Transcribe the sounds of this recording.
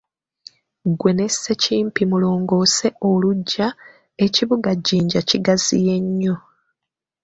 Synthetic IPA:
ɡwe̞ne̞se̞ciːmpimulo̞ːŋɡo̞ːse̞o̞luɟːa | e̞ciβuɡaɟiːɲɟaciɡazḭje̞ɲːo̞

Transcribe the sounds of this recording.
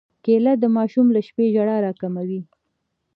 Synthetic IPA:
kelad̪əmɑʃumlaʃpeʒaɽɑɾɑkamawi

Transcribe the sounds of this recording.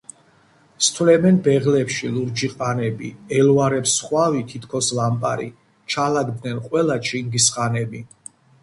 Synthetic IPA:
st̪ʰwlɛmɛnbɛʁlɛpʃiluɾd͡ʒiqʼanɛbiɛluaɾɛpsχwavit̪ʰit̪ʰkʰɔslampʼa̰ɾḭ | t͡ʃʰalaɡd̪nɛnqʼwɛlat͡ʃʰiŋɡisχʼanɛbi

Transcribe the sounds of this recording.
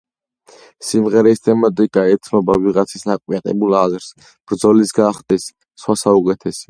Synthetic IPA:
simʁɛɾɛst̪ʰɛmat̪ʼikʼaɛt̪sʰnɔbaviʁat̪sʰisnakʼwiaq̪ʼɛ̰bulˠazɾs | b̥ɾd̪zɔlisɡaχt̪ʼisː | χwasaukʼɛt̪ʰɛsɛ

